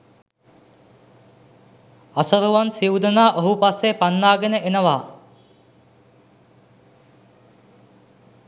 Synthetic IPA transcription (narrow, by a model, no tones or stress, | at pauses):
asəɾuʋansiwd̪ənaːʔoɦupasːepanːaːɡenəʔenəʋaː